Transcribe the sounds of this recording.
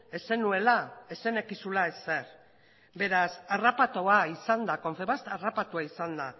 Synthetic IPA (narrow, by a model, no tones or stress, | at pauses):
e̞se̞nue̞lae̞se̞ne̞kisulae̞se̞ɾ | be̞ɾasarapat̪o̞aisand̪ako̞ɱfe̞βast̪arapat̪uaisand̪a